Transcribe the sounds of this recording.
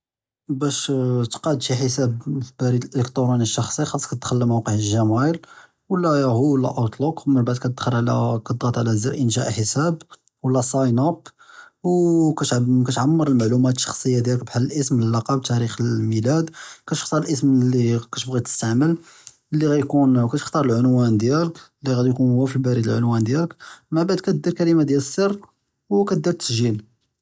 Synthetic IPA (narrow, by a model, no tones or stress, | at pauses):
bæʃt̪qɑʕəd̪fiħəsæbfbæɾid̪əlʔələkt̪oɾˤuniʃːɑxsˤixɑsˤkæt̪̚d̪xəlːəmæwqəʕəʒæmæjəl | wəlːæhuəlːæ̰ʔɑt̪ˤlokmənbaʕd̪̚kæt̪əd̪xəɾʕlækæt̪d̪ɣɑt̪ˤʕlæziɾʔənʃæ̰ʔħəsæb | wəlːæsɑjnɑpwkæt̪kæt̪ʕamːəɾˤəlmaʕlumæt̪ʃːɑ̥xsˤəjːad̪jælək̚bħalːəlʔəsməlːɑqɑb̚t̪æɾixəlmilæd̪kæt̪ə̥xt̪ɑɾˤəlʔəsmlːikæt̪bɣid̪t̪əst̪aʕməl | lːiɣæjkunkæt̪əxt̪ɑɾˤəlʕʊnwænd̪jæləklːiɣæd̪jkunwæfibæɾəd̪əlʕʊnwænd̪jæləkmabaʕd̪̚kæt̪̚d̪iɾkælimad̪jæləsˤːərˤː | wkæt̪̚d̪iɾt̪ə̥sʒil